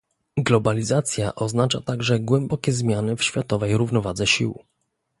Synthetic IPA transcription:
ɡlɔbalʲizat̪sʲjaʔɔznat͡ʂat̪aɡʐɛɡwɛmbɔkʲɛzmʲjanɘfɕfʲjat̪ɔvɛjɾuvnɔvad̪zɛɕḭw

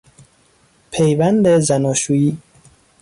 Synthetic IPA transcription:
pʰejvænd̪ezænɒːʃuːiː

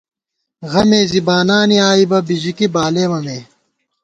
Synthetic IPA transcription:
ɣɐmeːzibaːnaːniaːibɐbiʑikibaːleːmɐmeː

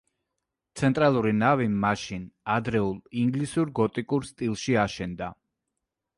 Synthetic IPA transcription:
t̪sʰɛnt̪ʼɾalˠuɾinavimaʃinad̪ɾɛulˠiŋɡlisuɾɡɔt̪ʼikʼuɾst̪ʼilˠʃiaʃɛnd̪a

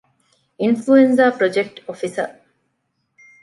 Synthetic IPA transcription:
influenzaːpɾod͡ʒek̚ʈofisɐ̰

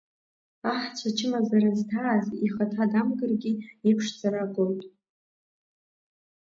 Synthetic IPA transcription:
aħt͡ɕʷʰat͡ʃʰɪmazaɾaztʰaːziχatʰadamɡɨrɡʲiipʰʂd͡zaɾaɡʼowtʼ

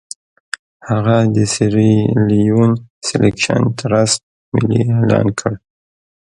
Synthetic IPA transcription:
haɣad̪əsiɾiliunselekʃa̰nt̪əɾas | mɪlielɑ̰nkʰəɽ

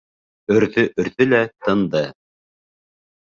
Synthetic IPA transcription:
ɵ̆ɾðɵʔɵ̆ɾðɵlæt̪ɤ̆nd̪ɤ

